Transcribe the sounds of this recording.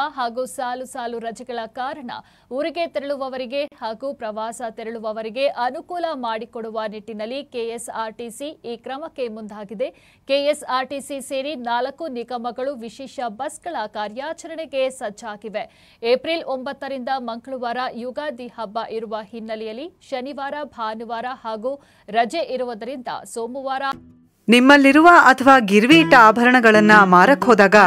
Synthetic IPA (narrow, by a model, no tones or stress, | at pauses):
ɦaːɡuːsaːlusaːluɾɐd͡ʒɛɡɐɭɐkaːɾɐɳɐ̰ | uɾiɡe̞t̪eɾeɭuʋɐʋɐɾiɡe̞haːɡuːpɾɐʋaːsɐt̪eɾɛɭuʋɐʋɐɾiɡe̞ʔɐnukuːlɐmaːɽikoɽuʋɐniʈːinɐlːikeesaːɾʈisiiːkɾɐmɐkːe̞mund̪ʱaːɡid̪e̞ | keːesaːɾʈisiseːɾinaːlɐkːuniɡɐmɐɡɐɭuʋiʃɛːʃɐbɐsɡɐɭɐkaːɾjaːt͡ʃɐɾɐɳe̞ɡe̞sɐd͡ʒaːɡiʋe | eːpɾilo̞mbɐt̪ːɐɾind̪ɐmɐŋkɐɭuʋaːɾɐjuɡaːd̪ihɐbːɐʔiɾuʋɐhinːɐlɛjɐlːiʃɐniʋaːɾɐbʱaːnuʋaːɾɐhaːɡuː | ɾɐd͡ʒeʔiɾuʋɐd̪ɐɾind̪ɐ̰soːmuʋaːɾɐ | nimːɐlːiɾuʋɐɐt̪ʰɐʋaːɡiɾʋiːʈaːbʱɐɾɐɳɐɡɐɭɐnːɐmaːɾɐkʰoːd̪aːɡɐ